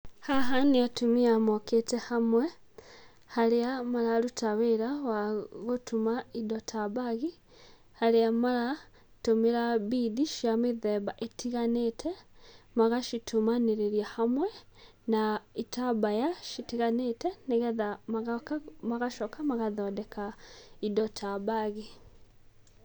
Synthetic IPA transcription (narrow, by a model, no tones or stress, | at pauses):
haɦaniatumiamoketehamwe | haliamalalutaβeɾawaɣotumaidotʰabaɣi | haliamala | tomiɾaβidiʃiamiðeβaʔetʰiɣanetʰemaɣaʃitumaniɾeɾjahamwe | naitʰabajaʃitiɣaneteniɣeðamaɣakamaɣaʃokamaɣaðodekʰaidotʰabaɣi